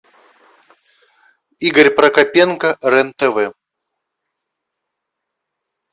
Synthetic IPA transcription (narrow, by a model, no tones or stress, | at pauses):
iɡəɾʲpɾɐkɐpʲenkərɛnt̪ɛvɛ